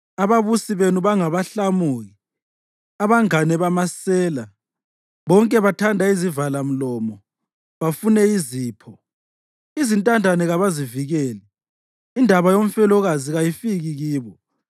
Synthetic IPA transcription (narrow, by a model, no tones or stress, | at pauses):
aβaβusiβenuβaŋaβaɬamuːɣi | aβaŋanɛβamasɛːla | βɔŋkʼɛβatʰandʱaizivalam̩lɔmɔ | βafunɛiziːpʰɔ | izintʼandʱanɛɣaβaziviɣɛːlɛ | indʱaβajom̩fɛlɔɣaziɣajifiɣiɣiːβɔ